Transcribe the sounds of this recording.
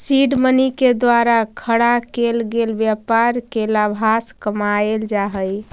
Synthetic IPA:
siɖməniked̪waɾakʰəɽakelɡelbjapaɾkelabʱaskəmaeld͡ʒaɦəj

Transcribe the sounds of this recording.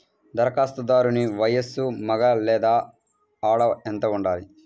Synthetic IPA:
d̪ɐɾɐkaːst̪ɐd̪aːɾuniʋɐjɐsːumɐɡɐlɛːd̪aː | aːɽɐent̪ɐuɳɖaːli

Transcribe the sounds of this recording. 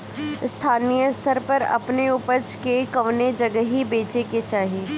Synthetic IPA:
st̪ʰaːnijəst̪ʰəɾpɐɾɐ̰pneʊpət͡ʃkekɐʋned͡ʒɐɡəɦibeːt͡ʃeket͡ʃaːɦeː

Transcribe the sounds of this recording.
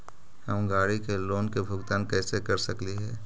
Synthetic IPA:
həmɡaːɽikeloːnkebʱʊɡt̪aːnkɛːsekɐɾsəkliɦɛː

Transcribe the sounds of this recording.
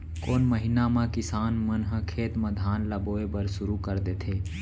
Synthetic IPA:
koːnməɦɪnamãkɪsaːnmənɦə̃kʰeːt̪məd̪ʱaːnləboːebəɾsʊɾukəɾd̪et̪ʰeː

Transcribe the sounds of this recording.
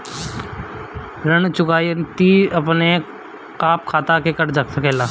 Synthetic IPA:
ɾənt͡ʃʊkaːjt̪iɐpne | kaːp̚kʰaːt̪akekəʈd͡ʒəksəkɛːlaː

